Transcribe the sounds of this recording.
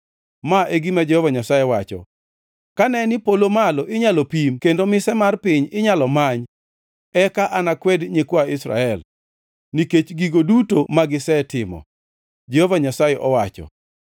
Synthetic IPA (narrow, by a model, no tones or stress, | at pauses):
maʔeɡimad͡ʒɛhovaɲasajɛwat͡ʃɔ̰ | kanɛnɪpolomalɔʔɪɲalɔpimkendomɪsɛmarpɪɲɪɲalɔmaɲ | ɛkaʔanakwɛdɲekwaɪsra̰ɛl | niket͡ʃɡiɡodutomaɡɪsɛtɪmɔ̰ | d͡ʒehovaɲasajɛʔɔwat͡ʃɔ̰